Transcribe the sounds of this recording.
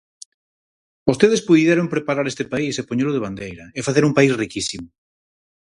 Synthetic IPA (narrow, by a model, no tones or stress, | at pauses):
ost̪eðespuðieɾoŋpɾepaɾaɾest̪epaisepoɲeloðeβand̪ejɾɐefaθeɾumpaisrikisimʊ